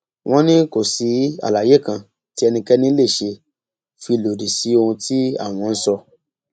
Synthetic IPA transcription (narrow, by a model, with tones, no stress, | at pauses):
w̃ʔɔ̃˦nĩ˦ko˦˨si˨˦a̰˨la˨je˨˦˨kã˧˨ | ti˦ɛ˧nĩ˧kɛ˦nĩ˦le˦˨ʃe˧ | fi˧lo˨di˨si˨˦o˧hũ˧ti˦a̰˦˨w̃ɔ̃˧n̩˦sɔ˧